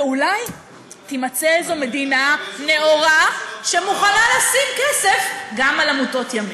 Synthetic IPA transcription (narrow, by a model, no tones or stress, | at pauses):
ulaj | t̪imat͡seezome̞d̪inane̞oʁaʃemuχanalasimkesefɡamalamuto̞tjami